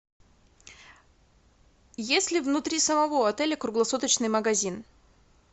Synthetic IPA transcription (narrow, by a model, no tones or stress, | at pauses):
jesʲlʲɪvnʊt̪ɾʲisəmɐvo̞ɐt̪ɛlʲəkɾʊɡlˠɐsut̪ət͡ɕnɨjməɡɐzʲin